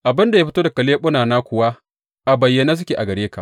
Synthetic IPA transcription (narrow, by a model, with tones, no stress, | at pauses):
ʔa˨bɪ˦nda˨ja˦ɸɪ˦toː˦da˨kɐ˨leː˦ɓʊ˦naː˨naː˦kʷʊ˨wa˦ | ʔa˨bɐ˨jːa˦na˦s̬ʊ˦kʲeː˨ʔa˨ɡɐ˨ɽeː˦ka̰˨ʔ